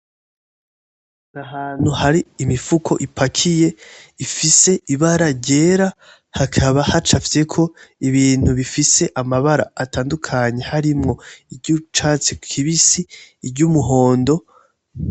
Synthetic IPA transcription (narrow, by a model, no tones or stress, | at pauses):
naɦaːn̥huhaɾiːmifukʰo̞̰ʔipʰakʰije̞ifise̞ʔiβaɾaɾɟe̞ːɾa | hakʰaβahat͡ʃafise̞kʰo̞iβiːn̥huβifise̞ʔamaβaɾa̰ːtaːndukʰaɲe̞haɾimŋo̞iɟut͡ʃaːt͡siku̥kʰiβisiːɾɟumuɦo̞ːndo̞